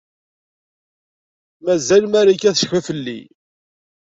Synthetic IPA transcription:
mæzælmæɾikæθə̥ʃçvæfəlːḭ

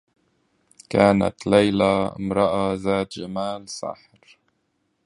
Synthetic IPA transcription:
kaːna̰t̪lajlaɪ̰mɾˤɑʔazaːt̪d͡ʒamaːlsˤɑ̰ħɾ

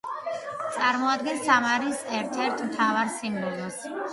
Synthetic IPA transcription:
t̪sʼaɾmɔad̪̚ɡɛnsamaɾisɛɾt̪ʰɛɾt̪ʰmt̪ʰavaɾsimnɔmas

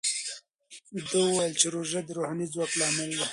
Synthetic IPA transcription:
d̪əuwajəlt͡ʃeɾoʒad̪əɾohɑnizwɑklɑmalwi

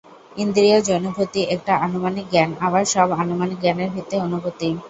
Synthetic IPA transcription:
ind̪ɾiad͡ʑɔnobʱot̪iʔɛk̚ʈaʔanomanik̚ɡɛnaβaɾʃɔbanomanik̚ɡɛneɾbit̪eonubot̪i

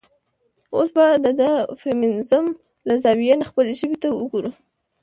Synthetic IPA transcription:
osbad̪əd̪əfemɪnɪzʊm | lazɑwijenaxpəleʒəbet̪awəɡoɾu

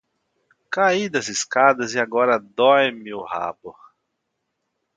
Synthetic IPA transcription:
kaid̪ɐzɪskad̪ɐzɪaɡɔɾɐd̪ɔjmɪʊha̰bʊ

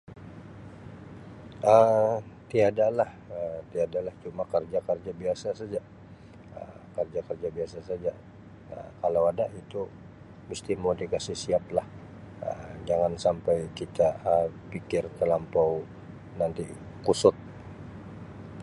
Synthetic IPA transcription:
ʔəmt̪iadalah | ət̪iadalaht͡ʃumakərd͡ʒakərd͡ʒabiasasad͡ʒa | ə̰ | kərd͡ʒakərd͡ʒabiasasad͡ʒa | a̰kalawadait̪u | məst̪imodiɡasisiap̚lah | ə̰d͡ʒaŋansampajkit̪aəpikɪrt̪əlampaw | nant̪i | kusʊt̪̚

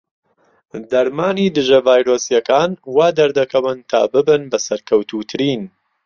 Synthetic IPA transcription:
d̪ɐɾmaːniːd̪ɨʒɐvaːjɾoːsijɐkaːnwaːd̪ɐɾd̪ɐkʰɐwɨnt̪ʰa̰ːbɨbɨnbɐsɐɾkʰɐwt̪ʰuːt̪ʰɨɾiːn

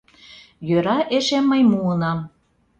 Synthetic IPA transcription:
jøɾɑʔeʃemːəjmuənɑm

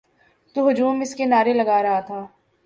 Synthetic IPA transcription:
t̪uɦʊd͡ʒuːmɪskenaːɾelɐɡaːɾɐɦat̪ʰaː

